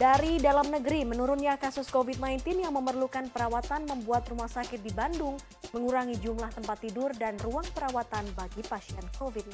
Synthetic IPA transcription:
daɾidalamnəɡəɾimənuɾʊnɲakasʊskovit̪̚najnt̪ɪnjaŋməmərlukanpəɾawat̪anməmbuat̪rumahsakɪt̪̚dibandʊŋ | məŋuɾaŋid͡ʒumlaht̪əmpat̪ːidʊrdanruaŋpəɾawat̪anbaɡipasiɛnkovit̪̚

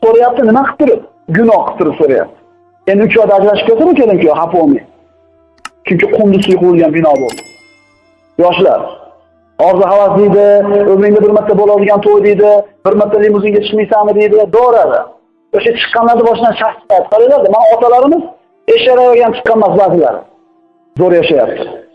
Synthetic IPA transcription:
soɾajap̚t̪ɪnɪmaqʰɨ̥p̚t̪ʊɾɪp̚ | ɡʊnɒhqʰɨ̥p̚t̪ːɪɾɪpsoɾaja̰p̚t̪ʰɪ̥ | e̞nd̪ɪʊt͡ʃʰɒjd̪aad͡ʒɾaʃɪp̚kʲʰat̪ɪɾd̪ɪkʲʰelɪmkʲɪjhapomḭj | t͡ʃʰʊŋkʲɪqʰʊmd̪ʊsʊjqʊwɪlˠɡʲanbɪnɒbo̰lˠd̪ɪ | jɒʃɪla̰ɾ | ɒɾzɪɦavasd̪ɪjd̪ɪɵbɾɪŋd̪abɪɾmɪt̪ːabolˠad̪ɪɡʲant̪ʰojd̪ɪjd̪ɪbɪɾmɪt̪ʰːalimʊzɪŋɡʲat͡ʃʰɨ̥qmijsannɪd̪ejd̪ɪd̪ɒɾad̪ɪ̰ | oʃat͡ʃʰɨ̥qːɑnlaɾd̪abɒʃɪd̪anʃaχsɑjat̪qʰɑɾalaɾd̪ɪmanaɒt̪ʰalaɾɪmɪz | eʃaɾajɒɡʲant͡ʃʰɨ̥qːɑnmasbazɪla̰ɾɪ̰ | zoɾjaʃaja̰p̚t̪ʰɪ̥

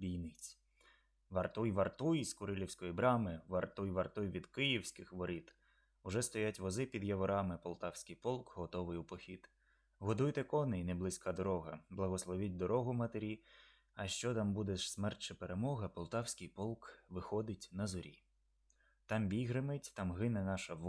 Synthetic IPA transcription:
bʲijnɪt͡sʲ | ʋɐrt̪ujʋɐrt̪ujiskʊɾɪlʲiwsʲkɔjibɾɑmɪʋɐrt̪ujʋɐrt̪ujʋʲid̪kɪjiwsʲkɪxʋɔɾit̪ | ʊʒɛst̪ɔjatʲʋɔzɪpʲid̪jɐʋɔɾɑmɪpɔlˠt̪ɑwsʲkɪjpɔlˠkɦɔt̪ɔʋɪjʊpɔxʲit̪ | ɦɔd̪ujt̪ɛkɔnɪjneblˠɪsʲkʰɑd̪ɔɾɔɦɐblˠɐɦɔslˠɔʋʲit̚ʲd̪ɔɾɔɦʊmɐt̪eɾʲi | ɐʃt͡ʃɔt̪ɑmbud̪eʃsmɛrt͡ʃɐpeɾemɔɦɐpɔlˠt̪ɑwsʲkɪjpɔlˠkʋɪxɔd̪ɪtʲnɐzɔɾʲḭ | t̪ɑmbʲiɦɾɪmɪtʲt̪ɑmɦɪnɛnɑʃɐʋ

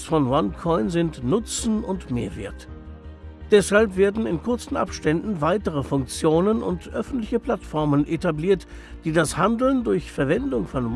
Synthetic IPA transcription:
sfɔnwankʰɔʏnzɪntnʊt͡sn̩ʊntmeːɐvḛːɐt | d̥ɛshalpv̥eːɐdn̩ɪnkʰʊɐt͡sn̩ʔa̰pʃtɛndn̩vaɪtəʁ̞əfʊŋk̚t͡sjoːnənʊ̰ntʔœfn̩tlɪçəpʰl̥atfɔɐmənʔetabliːɐt | d̥iːdashandl̩ndʊɐçfɛɐvɛndʊŋfɔnm

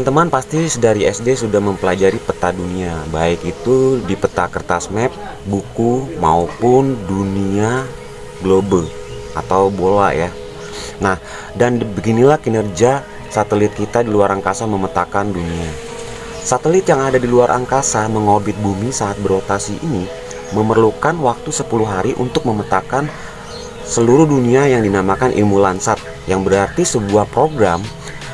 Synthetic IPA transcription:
əant̪əmanpast̪isədaɾiɛsdesudahməmpəlad͡ʒaɾipət̪aduniabaɪkit̪udipət̪akərt̪asmɛp̚ | bukuma̰upʊndunia | ɡlobəl | a̰t̪awbolaja | nah | danbəɡinilahkinərd͡ʒa | sat̪əlɪt̪̚kit̪adiluaɾʔaŋkasaməmət̪akandunia | sat̪əlɪt̪̚jaŋadadiluaɾʔa̰ŋkasaməŋobɪt̪̚bumisaːt̪̚bərɾot̪asiʔini | məmərlukanwak̚t̪usəpuluɦaɾiʔṵnt̪ʊk̚məmət̪akan | səluɾʊhduniajaŋdinamakanʔḭlmulansat̪̚ | jaŋbəɾart̪isəbuahpɾoɡɾam

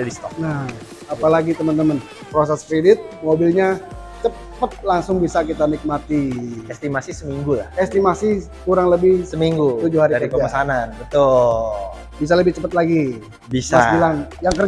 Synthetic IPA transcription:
adist̪ɔkna | apalaɡit̪əmənt̪əmən | pɾosɛskɾedɪt̪̚mobilɲa | t͡ʃə | pət̪̚laŋsʊŋbisakit̪anik̚mat̪iɛst̪imasisəmiŋɡula̰hɛst̪imasi | kuɾaŋləbɪhsəmiŋɡuud͡ʒʊhaɾiaɾipəmasananbət̪ʊll | bis̬aləbɪht͡ʃəpət̪̚laɡi | bisasbilaŋjaŋkər

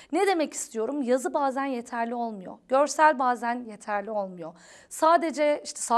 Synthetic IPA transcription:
ned̪e̞mɛci̥st̪ʰijo̞ɾumjazɯbaːzænje̞t̪ʰæɾlʲio̞lˠmujo̞̰ɟø̞ɾsælʲbaːzænje̞t̪ʰæɾlʲio̞lˠmujo̞ | saːd̪e̞d͡ʒɛiʃt̪ʰɛ̥sa

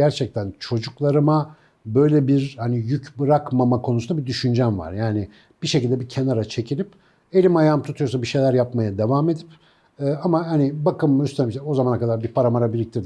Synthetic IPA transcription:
æɾt͡ʃʰɛc̚t̪ʰænt͡ʃʰo̞d͡ʒuklˠaɾɯma | bø̞jlʲɛbiɾhanijycbɯɾakmamakʰo̞nusund̪abid̪yʃynd͡ʒænva̰ɾjaːnɪ | b̥iʃecilʲd̪ɛbicʰe̞naɾat͡ʃʰe̞cʰilʲip | e̞lʲimajamt̪ʰut̪ujosabiʃejlʲæɾjapmajad̪e̞vaːme̞d̪ipː | amaɦanibakɯmːyst̪ʰeɛo̞zamanakad̪aɾbipʰaɾamaɾabilʲic̚t̪ʰiɾd̪i

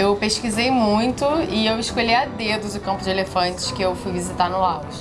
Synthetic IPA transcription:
ewpeʃkizejmũj̃t̪ʊɪewɪʃkolijad̪ed̪ʊzʊkɐ̃mpʊd͡ʒɪelefɐ̃t͡ʃɪ̥ʃkɪewfujvizit̪anʊaws

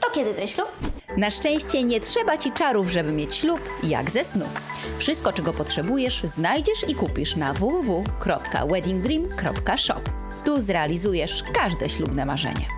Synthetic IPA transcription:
t̪ɔkʲjɛd̪ɘt̪ɛnɕlup̚ | naʂt͡ʂɛ̃w̃ɕt͡ɕɛɲɛtʂɛbat͡ɕit͡ʂaɾuvʐɛbɘmʲjet͡ɕɕlupja̰ɡzɛsnṵ | fʂɘst̪̚kɔt͡ʂɛɡɔpɔtʂɛbujɛʂznajd͡ʑɛʂikupʲiʂnavuvuvukɾɔpka̰wɛd̪ʲiŋɡ̚d̪ɾimkɾɔ̰pkaʂɔ̰p | t̪uzɾɛalʲizujɛʂkaʐd̪ɛ̰ɕlubnɛmaʐɛ̰ɲɛ̰

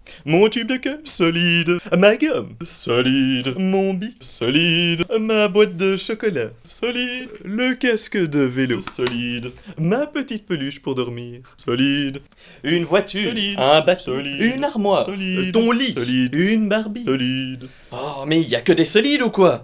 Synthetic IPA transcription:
mɔ̃t̪yb̚d̪əkɛmsɔlid̪maɡɔmsɔlid̪mɔ̃bisɔlid̪mabwat̪̚d̪əʃɔkɔlasɔlid̪ləkaskəd̪əvelosɔlid̪mapət̪it̪̚pəlyʃpuʁd̪ɔʁmiːʁsɔlid̪ | ynvwat̪ʰyɛ̃bat̪ɔliynaʁmwait̪ɔ̃lilid̪nbaʁbiɔlid̪ | ɔmɛiljakəd̪esɔlid̪ukwa

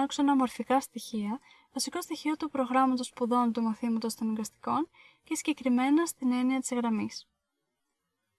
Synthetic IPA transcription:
ɐksonɐmo̞ɾfikɐst̪içiɐ | vɐsiko̞st̪içio̞t̪upɾo̞ɣɾɐmɐt̪o̞spuðo̞nt̪umɐθimɐt̪o̞st̪oniŋɡɐst̪i̥ko̞n | cesiɟe̞kɾime̞nɐst̪ine̞niɐt̪izɣɾɐmis

